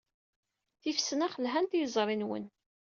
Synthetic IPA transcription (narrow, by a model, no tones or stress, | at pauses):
θifsnæχəlɦænt̪jəzˤɾˤinwə̰n